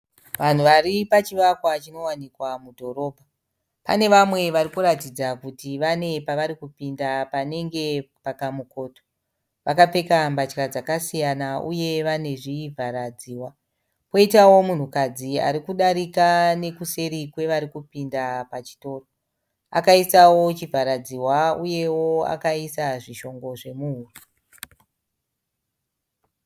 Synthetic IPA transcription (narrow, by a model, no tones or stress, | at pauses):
ʋan̤uʋaripat͡ʃiʋakwat͡ʃino̞wanikwamudʱo̞ɾo̞ːbʱa | pa̰ne̞ʋamwe̞ʋaɾikuɾatid͡zakutiʋane̞paʋaɾikupindapane̞ŋɡe̞pakamukoːto̥ | ʋʔakap͡fe̞kambat͡ʃkad͡zakasijanaṵje̞ʋane̞ʐiːvʱaɾad͡ziːwa | po̞itawo̞mun̤ukad͡zia̰ɾikuɗaɾikane̞kuse̞ɾikwe̞ʋaɾikupindapat͡ʃi̥to̞ːro | a̰kaisawo̞t͡ʃivʱaɾad͡ziwauje̞woa̰kaisaʐiʃo̞ŋɡo̞ʐe̞muuru